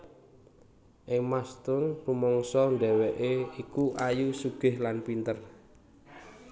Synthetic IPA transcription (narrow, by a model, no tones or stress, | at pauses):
ʔɪŋmast̪ʊnrumɔŋsɔɳɖɛwɛʔeikuʔajusuɡ̥ɪ̤hlanpint̪ər